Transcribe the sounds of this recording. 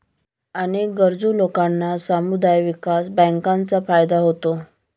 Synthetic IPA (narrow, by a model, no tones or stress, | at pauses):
ənek̚ɡəɾd͡zulokanːasamud̪ajʋikasbə̃ŋkãnt͡safajd̪aɦot̪o